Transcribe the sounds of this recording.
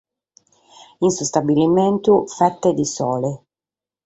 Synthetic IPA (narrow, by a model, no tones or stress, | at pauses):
insust̪abilimɛnt̪ufɛt̪ːed̪isɔːle